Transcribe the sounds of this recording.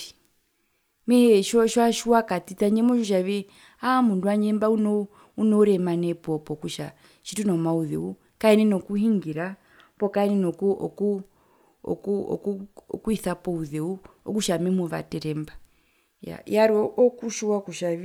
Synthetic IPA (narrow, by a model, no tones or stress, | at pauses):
mɛhɛʃɔʃwaʃuwakatitaɲɛmɔʃɔʃ̬aβi | amunduaɲɛmbaunɔ | unɔuɾɛmanɛpɔpɔkuʃa | ʃitunɔmauðɛ̰u | kaɛnɛnɔkuhiŋɡiɾa | pɔkaɛnɛnɔkuɔ̰ku | ɔ̰kuɔ̰kuɔkuiθapɔuðɛuɔ̰kuʃamɛmuβa̰tɛɾɛmba | ja̰jaɾɔʔɔkuʃuwakuʃaʋi